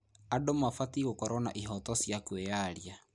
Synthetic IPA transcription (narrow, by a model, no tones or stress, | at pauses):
adomafatiɣokɔɾɔna̰ʔiɦɔtɔsjakwejaɾja